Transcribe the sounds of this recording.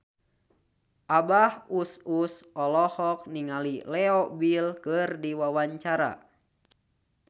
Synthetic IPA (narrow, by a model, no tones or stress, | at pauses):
ʔabahususɔlɔhɔk̚niŋalilɛɔbilkɨrdiwawaɲt͡ʃaɾa̰